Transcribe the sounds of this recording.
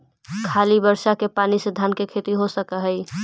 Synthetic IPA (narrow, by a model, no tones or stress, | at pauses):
kʰaːlibəɾsakepanisəd̪ʱankekʰet̪iɦosəkəɦəɪ